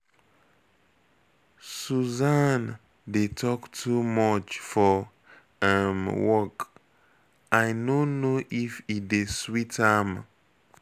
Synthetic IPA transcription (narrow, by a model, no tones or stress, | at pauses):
suzan | detʰɔktʰumɔt͡ʃfɔ | amwɔk | ʔajnonoʔifideswitʰam